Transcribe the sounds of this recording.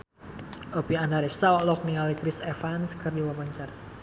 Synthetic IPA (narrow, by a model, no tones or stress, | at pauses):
ɔpiandaɾɛst̪aɔʔlɔk̚nialikɾisɛfanskɨrdiwabaɲt͡ʃar